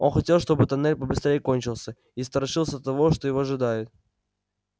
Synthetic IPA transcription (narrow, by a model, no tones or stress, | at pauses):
o̞̰nxɐtʲe̞lˠʂt̪o̞bɨt̪ɐnɛlʲpəbɨst̪ɾʲejɪko̞nʲt͡ɕɪlˠsʲə | ist̪ɐɾɐʂɨlˠsʲət̪ːɐvo̞ʂt̪o̞jɪvoɐʐɨd̪ajɪt̪